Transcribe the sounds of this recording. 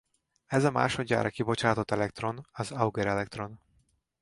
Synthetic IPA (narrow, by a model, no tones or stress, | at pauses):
ɛzɒma̰ːʃo̞d̪ʲɟa̰ːɾʔɒkibo̞t͡ʃaːt̪o̞t̪ːɛlɛk̚t̪ro̞nɒzɒuɡɛɾɛlɛkt̪ro̞n